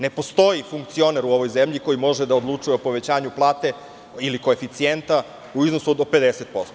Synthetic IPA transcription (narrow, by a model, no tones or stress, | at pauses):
ne̞po̞st̪o̞jifuŋk̚t̪sio̞neɾuo̞ʋo̞jzemʎiko̞jimo̞ʒed̪aod̪lˠut͡ʂujeopo̞ʋe̞t͡ɕaːɲuplˠaːt̪e̞ | iliko̞efit̪sient̪a | uizno̞sud̪ope̞d̪eset̪̚po̞st̪o